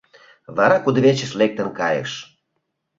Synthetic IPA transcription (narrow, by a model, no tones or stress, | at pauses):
βɑɾɑkud̪βet͡ɕə̆ʃlek̚t̪ənkɑjə̰ʃ